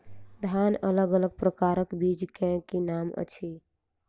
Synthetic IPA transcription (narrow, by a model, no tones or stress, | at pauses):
d̪ʱanələɡələɡ̚pɾəkaɾəkbid͡ʒkɛ̃kenamə̰t͡ʃʰi